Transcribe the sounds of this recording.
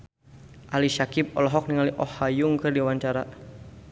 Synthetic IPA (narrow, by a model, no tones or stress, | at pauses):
ʔaliʃakip̚ɔlɔɦɔk̚niŋaliʔɔhajuŋkɨrdiwaɲt͡ʃaɾa